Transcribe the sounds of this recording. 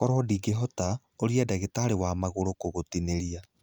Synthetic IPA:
kɔɾɔdiɡeɦɔta | oɾiadaɣetaːɾewamaɣoɾokoɣotineɾia

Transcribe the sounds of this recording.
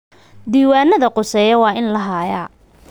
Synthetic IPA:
d̪iːwaːnːɐðɐqʊsɛːjɐwɑːʔɪnlɐɦaːja

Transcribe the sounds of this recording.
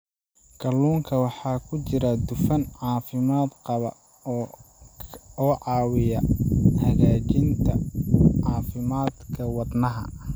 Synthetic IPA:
kʰɐlːuːŋkʰɐwɑħɑːkʰʊt͡ʃɪɾɐd̪ʊfɐnʕɑːfɪmaːd̪qɑβɐ̰ː | ɔːʕɑːwɪjɐhɐɣaːt͡ʃɪnt̪ʰɐʕɑːfɪmaːd̪kʰɐwɑd̪nɐɦɐ̰

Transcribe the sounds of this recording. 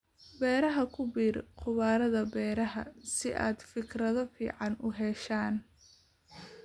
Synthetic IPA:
bɛːɾɐɦɐkʰʊbiːrqʰʊβaːɾɐðɐbɛːɾɐɦɐsɪʔa̰ːd̪fɪkrɐðɐfḭːʕɑnʊɦɛʃaːn

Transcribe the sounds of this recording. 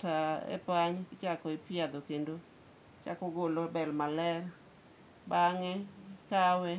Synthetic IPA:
taḛpaɲkt͡ʃakɔɪpjad̪okendo | t͡ʃa̰kɔɡolobɛlmalɛr | baŋɛkawɛ

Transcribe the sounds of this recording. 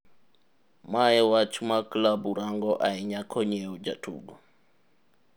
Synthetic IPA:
maɛwat͡ʃumaklabuɾaŋɡɔʔaɛɲakʰɔɲɛud͡ʒatʰṵɡu

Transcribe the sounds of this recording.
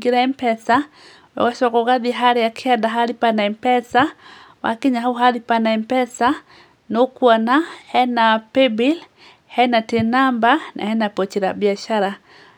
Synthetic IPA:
ɡiɾaɛmpɛsa | wɔ̰kasɔkɔkaðiɦaɾɛakʰiadaɦaɾipanaɛmpɛsa | wa̰kiɲaɦauɦalipanaɛmpɛsa | nokwanahɛnapɛbil | hɛnatɛnambanʔa̰hɛnapɔt͡ʃiɾabjaʃaɾa

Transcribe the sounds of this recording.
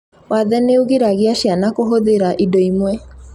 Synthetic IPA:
waðɛneuɣeɾaɣeaʃjanakoɦoðeɾaʔidɔimwɛ

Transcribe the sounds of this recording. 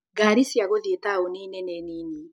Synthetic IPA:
ɡaɾisjaɣoðietaoniːneneniːni

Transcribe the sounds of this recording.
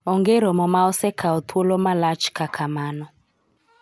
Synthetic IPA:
ɔŋɡɛɾɔmɔmaɔsɛkʰaɔt̪ʰwolɔmalat͡ʃkakʰamanɔ

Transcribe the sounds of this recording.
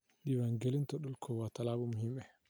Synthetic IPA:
ɗibaŋɡelintɔɗɔlkʰɔwatalaːbumuhimɛ

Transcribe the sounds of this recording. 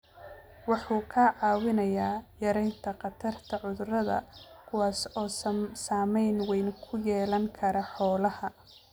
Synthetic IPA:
wɑħuːkʰɐʕɑːwɪnɐjaːjɐɾɛjnt̪ʰɐqɑt̪ʰɐrt̪ʰɐʕʊðrɐðɐ̰kʰʊwɑːsɔːssaːmɛjnwɛjnkʰʊjɛːlɐŋkʰɐɾɐħɔːlɐhɐ

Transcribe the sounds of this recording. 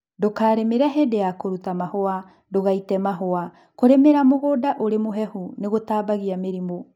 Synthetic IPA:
dokaːɾemeɾaɦedejakoɾutamahoa | doɣaitɛmaɦoa | koɾemeɾamoɣodaʔoɾemoɦɛhuneɣotaːbaɣiameɾimo

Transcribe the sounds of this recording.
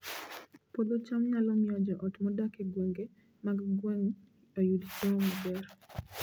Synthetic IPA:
pod̪ot͡ʃamɲalɔmɪɔd͡ʒɔʔɔtmɔdakeɡweŋɡe | maɡɡwɛŋ | ojudseɔmabɛr

